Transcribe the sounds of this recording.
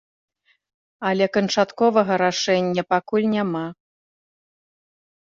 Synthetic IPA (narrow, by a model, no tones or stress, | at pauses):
ɐlʲɛkɐnt͡ʂat̪kɔvɐɣɐɾaʂɛnʲːɐpakulʲnʲama